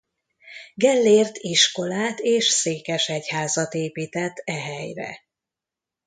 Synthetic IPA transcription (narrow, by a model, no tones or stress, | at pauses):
ɡɛlːeːrt̪iʃko̞laːt̪eːʃseːkɛʃɛchaːzɒt̪eːpiːt̪ɛt̪ːɛɦɛjrɛ̰